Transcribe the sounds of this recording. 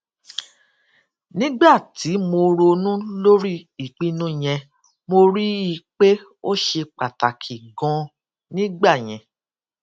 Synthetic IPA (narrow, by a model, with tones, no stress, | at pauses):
nĩ˦ɡ͡ba˦˨ti˨˦mo˧ɾo˧nũ˦lo˦ɾi˦i˨k͡pi˦nũ˦j̃ɛ̃˧ | mo˧ɾi˦i˧k͡pe˦ | o˦ʃe˧k͡pa˨ta˨kʰi˨ɡɔ̃˧ | nĩ˦ɡ͡ba˦˨j̃ɛ̃˨